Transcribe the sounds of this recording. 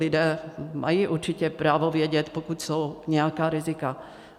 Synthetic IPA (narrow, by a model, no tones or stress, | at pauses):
ɪdɛːmʔa̰jiːʔuɾt͡ʃɪcɛpɾaːvovjɛɟɛt̪pokut̪sowɲɛjakaːɾɪzɪka